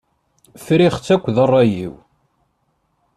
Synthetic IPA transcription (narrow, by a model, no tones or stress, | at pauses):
fɾiχt͡sːækʷːðərˤːɑjḭw